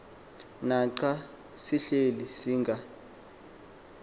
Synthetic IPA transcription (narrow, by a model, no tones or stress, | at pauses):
naǃa | siɬelisiːŋɡʱa